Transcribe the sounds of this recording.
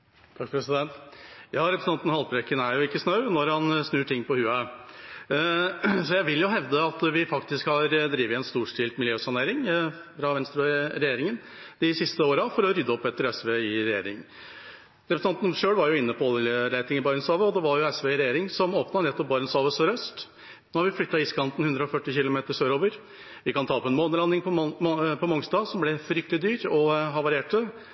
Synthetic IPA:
t̪ʰɑkːpʰɾɛsɪd̪ɛnt̪jɑːɾɛpɾəst̪ɑnt̪n̩hɑlpɾɛkːənæɾjʊɪkːəsnɑʉnɔɾhɑnsnʉːʈʰɪŋːpɔhʉːɑ | sɔjæɪʋɪljʊɦɛʋd̪əɑt̪ʋɪfɑkt̪ɪskhɑɾd̪ɾiːʋəɛnst̪uːʂʈʰɪlt̪mɪljøːsɑneːɾɪŋ | fɾɑʋɛnst̪ɾɑɾɛjeːɾɪŋən | d̪ɪsɪst̪əoːɾɑfɔɾɔɾʏd̪ːəɔpːɛt̪ːəɾɛsʋeɪɾɛjḛːɾɪŋ | ɾɛpɾsʰɑnt̪nʂøːlʋɑɾjʊɪnːəpʰɔɾæɪt̪ɪŋɪbɑɾənsɑːʋəɔd̪ɛʋɑɾjʊɛsʋeːɪɾɛjeːɾɪŋsɔmoːpnɑnɛt̪ːɔp̚bɑɾnsɑːʋəsɔɾœst̪ | noːhɑɾʋɪflʏt̪ːɑɪskʰɑnt̪n̩hʉnd̪ɾəɔfœʈːɪçɪlʊmeːt̪əsøːɾoːʋəɾ | ʋɪkɑnt̪ʰɑːpʰɔɛnmoːnəlɑnːɪŋpʰɔpʰɔmɔŋst̪ɑːsɔmblɛfɾʏk̚t̪lɪd̪yːɾɔɦɑʋɑɾɪeːʈə

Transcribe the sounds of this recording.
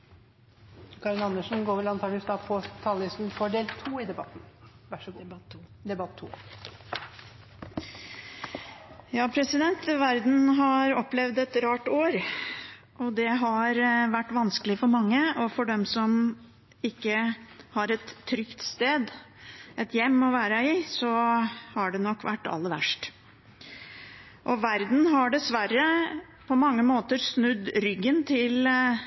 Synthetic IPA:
kʰɑɾɪnɑnːəʂn̩ɡoːɾʋɛlɑnt̪ɑːləst̪ɑːpʰɔt̪ʰɑːlɪst̪n̩fɔɖeːlt̪ʰuːɪd̪ɛbɑt̪n̩ | d̪ɛbɑt̪ʰːṵː | jɑːpʰɾɛsɪd̪ɛnt̪ʋæɾd̪n̩ɦɑɾɔpːlɛʋd̪ɛt̪ɾɑːʈoːɾ | ʔɔd̪ɛɦɑɾʋæʈːʋɑnskəlɪfɔɾmɑŋːəɔfɔɖɛmsɔm | ɪkːəhɑɾɛt̪ʰːɾʏkt̪st̪eːd̪ | ʔɛt̪jɛmːɔʋæːɾəɪsɔhɑɖɛnɔkːʋæ̰ʈːɑ̰lːəɾʋæ̰ʂʈ | ʔɔʋæɾd̪n̩ɦɑɖɛsʋæɾə | pʰɔmɑŋːəmoːt̪əɾsnʉd̪ɾʏɡːənt̪ʰɪl

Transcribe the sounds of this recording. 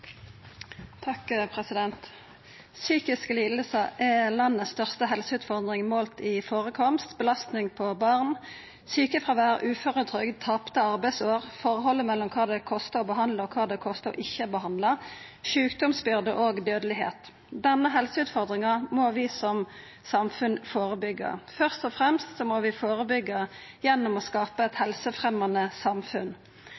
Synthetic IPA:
t̪ʰɑkpʰʁɛsɪd̪ɛnt̪ | syːkɪskəliːd̪̩səʔɛlɑnːəst̪œʁst̪əɦɛlsəʉːt̪fɔʁd̪ʁɪŋmoːlt̪ɪfoːʁəkʰɔmst̪bəlɑst̪nɪŋpʰɔbɑːʁn | syːkəfʁɑʋæːʁʔʉːfɔʁət̪ʰʁʏɡd̪̚t̪ʰɑpt̪əɑʁbɛɪsoːʁfɔʁɦɔlːəmɛlːɔmkʰɑːd̪ɛkʰɔst̪əɔbəɦɑnd̪ləɔkʰɑːd̪ɛkʰɔst̪əɔ̰ʔɪçːəbəhɑnd̪lə | ʃʉːkd̪ɔmsbʏʁd̪əʔoːɡd̪øːd̪əlɪɦḛːt̪ | d̪ɛnːəɦɛlsəʉːt̪fɔʁd̪ʁɪŋɑmoːʋɪsɔm | sɑmfʉnfoːʁəbʏɡːə̰fœʁst̪ɔfʁɛmst̪sɔmɔʋɪfoːʁəbʏɡːə | jɛnːʊmɔskɑːpəɛt̪hɛlsəfʁɛmɑnəsɑmfʉn

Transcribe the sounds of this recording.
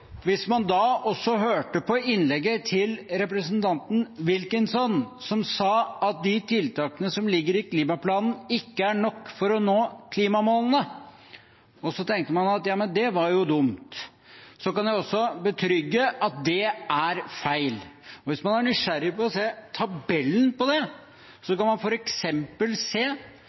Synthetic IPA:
ʋɪsmɑnd̪ɑɔsːɔɦøːʈəpɔɪnlɛɡːət̪ʰɪlɾɛp̬ɾəsənt̪ʰɑnt̪n̩ʋɪlkɪnsɔnsɔmsɑːɑt̪̚d̪ɪt̪ʰɪlt̪ʰɑːkənəsɔmlɪɡːəɾɪkʰliːmɑpʰlɑːnn̩ɪkːəæɳɔkːfɔɾɔnoːkʰliːmɑmoːlnə | ɔsɔt̪ʰɛŋkt̪əmɑnɑt̪jɑːmənd̪ɛʋɑɾjʊd̪ʊmt̪ | sɔkɑnjæɪɔsːɔbət̪ʰɾʏɡːəʔɑt̪̚d̪ɛʔæɾfæɪlɔʋɪsmɑnæɳʏʂæɾːɪpɔɔseːt̪ʰɑbɛlːənpɔd̪ɛ | sɔkɑnmɑnfɔɾɛksɛmpəlseː

